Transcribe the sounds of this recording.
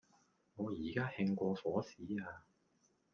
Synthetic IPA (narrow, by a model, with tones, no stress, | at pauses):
ŋɔː˨˧jiː˨˩kaː˥hɪ˧ŋkʷɔː˧fɔː˨˥siː˨˥aː˧